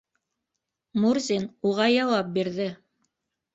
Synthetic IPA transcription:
muɾzʲinuʁɑjɑwɑp̚biɾðɘ

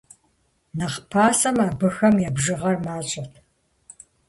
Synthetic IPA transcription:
nɐqpʰaːsɐmɐbɨxɐmjɛbʒɨʁɐrmaːɕʼɐtʰ

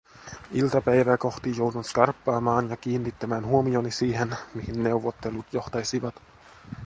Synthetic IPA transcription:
ilt̪ɑpæjʋæːko̞xt̪ijowduntskɑrpːɑːmɑːnjɑkiːnːit̪ːæmæːnɦuomio̞nisiːɦenmihinːe̞wʋːot̪ːe̞lut̪jo̞ht̪ɑjsiʋɑt̪

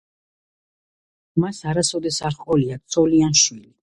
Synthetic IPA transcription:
masaɾasɔd̪ɛsaɾχqʼɔliakt̪sʰʼɔlianʃwili

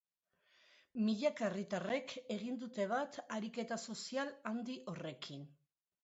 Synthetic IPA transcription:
miʎakarit̪are̞kʰe̞ɣind̪ut̪e̞β̞at̪aɾike̞t̪aso̞sialand̪iʔo̞re̞kʰin

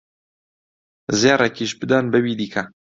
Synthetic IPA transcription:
zjaːrekiːʃbɨd̪aːnbɨbiːd̪iːkʰɐ

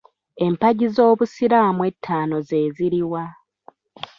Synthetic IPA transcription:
e̞mpaɟizo̞ːβusiɾaːmwe̞tʰːaːno̞ze̞ːziɾiwa

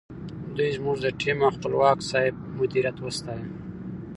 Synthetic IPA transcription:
d̪ujzmuʐd̪əʈʰimaxpəlwɑːksɑɪb̚mʊd̪iɾjat̪wəst̪ɑja

